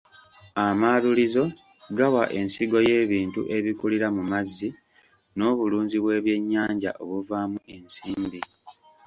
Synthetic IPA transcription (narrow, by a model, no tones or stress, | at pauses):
amalulizo̞ | ɡawa̰ʔe̞nsiɡo̞je̞ːβiːntṵʔe̞βikuliɾamumazːi | no̞ːβuluːnziβwe̞ːβje̞ɲːaːɲɟa̰ʔo̞βuvaːmuʔe̞nsiːmbi